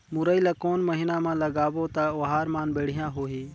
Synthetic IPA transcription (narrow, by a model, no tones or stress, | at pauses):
mʊɾəiːlaːkoːnməɦiːnaːmãːləɡaːʋoːt̪aːʋəɦaːɾmaːnbeːɽ̤ɪjãːɦoːɦiː